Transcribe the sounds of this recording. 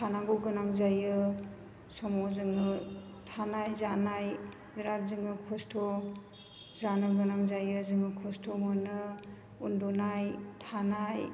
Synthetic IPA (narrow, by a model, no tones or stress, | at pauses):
tʰanaɡuɡɯnaŋzajɯ | sɔmɔzɯŋɯ | tʰanajzanaj | biɾaɾzɯŋɯkʰɔstʰɔ | zanɯɡɯnaŋzajɯzɯŋɯkʰɔstʰomɔnɯ | undunajtʰanaj